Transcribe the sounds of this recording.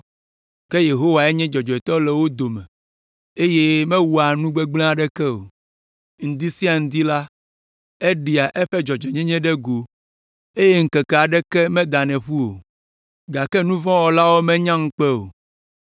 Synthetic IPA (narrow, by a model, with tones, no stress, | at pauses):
kɛ˦je˨ɦo˦wa˨ɛ˦ɲɛ̃˦d͡ʒɔ˨d͡ʒɔ˨ɛ˨t̪ɔ˦lɛ˨wo˦d̪o˨mɛ̃˨ | e˦je˦mɛ̃˦wu˨a˨nũ˦ɡ͡bɛ˦ɡ͡blɛ̃˦a˨ɖɛ˦kɛ˦o˨ | ŋ̩̃˨d̪i˦si˦a˨ŋ̩̃˨d̪i˦la˦ | e˦ɖi˨a˨ʔɛ˦ɸɛ˦d͡ʒɔ˨d͡ʒɛ˨ɲɛ̃˦ɲɛ̃˦ɖɛ˦ɡo˨ | e˦je˦ŋ̩˦kɛ˨kɛ˨a˨ɖɛ˦kɛ˦mɛ̃˦d̪a˨nɛ̃˨ɸu˦o˨ | ɡa˨kɛ˦nũ˦vɔ̃˦wɔ˨la˦wo˦mɛ̃˦ɲã˦ŋ̩˦k͡pɛ˦o̰˨